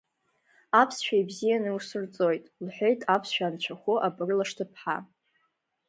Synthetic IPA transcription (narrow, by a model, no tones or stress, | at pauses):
apʰsʃᶣajbzijanɨwsɨrt͡sʼo̞jtʼlħʷᶣe̞jtʼapʰsʃᶣaːnt͡ʃʷʰaχʷʊʔabɨrlaʂtʰɨpʰħa̰